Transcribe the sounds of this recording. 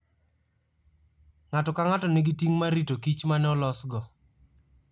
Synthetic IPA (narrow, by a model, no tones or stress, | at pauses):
ŋatɔkaŋatɔneɡitiŋmaɾitokit͡ʃmanɛɔlɔsɡɔ